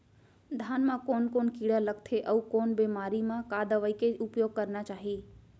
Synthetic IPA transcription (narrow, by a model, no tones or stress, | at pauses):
d̪ʱaːnmãkoːnkoːnkiːɽaləɡ̚t̪ʰeʔəukoːnbeːmaːɾimãkaːd̪ʱəʋəikeʊpjoːɡ̚kəɾnat͡ʃaːɦiː